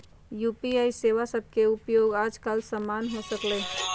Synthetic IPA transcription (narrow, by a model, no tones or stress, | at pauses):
juːpiaːiseːʋasəb̚ʱkeʊpjoːɡaːd͡ʒkəlsəmaːnɦosəkleː